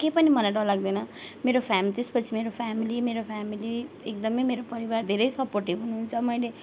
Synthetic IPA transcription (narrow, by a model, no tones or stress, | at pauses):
kepʌnimʌlaɖʌlaɡd̪ʌjnʌmeɾopʰamilit̪espʌt͡sʰimeɾopʰamilimeɾopʰamili | ekd̪ʌmʌjmeɾopʌɾibard̪ʱeɾʌjsʌporʈibɦunuɦunt͡sʰʌmʌjle